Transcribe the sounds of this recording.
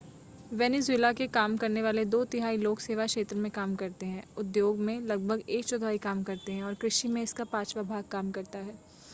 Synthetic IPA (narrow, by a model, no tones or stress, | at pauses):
ʋɛːnezweːlakekaːmkɐɾneʋaːled̪oːt̪ɪɦaːiloːkseːʋakʃeːt̪ɾəmẽkaːmkɐɾt̪eɦɛ̃ːʊd̪joːɡmẽlɐɡ̚bʱəɡeːkt͡ʃʊd̪ʱʋaːikaːmkɐɾt̪eɦɛ̃ɔːɾkɾɪʃimẽɪskapaːt͡ʃʋabʱaːɡ̚kaːmkɐɾt̪aɦɛː